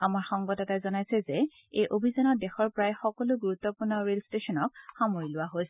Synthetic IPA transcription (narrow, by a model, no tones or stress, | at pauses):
amaɹxɔŋɡɔtɛtajzɔnajsɛzɛ | ejʔobʱizanɔdɛxɔɹpɔɹajxɔkɔlʊɡuɹut̪ːɔpuɹnɔɹelstesɔnɔk̚xamoɹilʊwaɦojs